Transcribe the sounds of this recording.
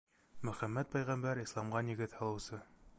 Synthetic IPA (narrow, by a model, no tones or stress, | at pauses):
mɵ̆χæmːæt̪̚pæjʁæmbæɾislˠɑmʁɑnjɘ̆ɡɘðhɑlˠɤ̆wsɤ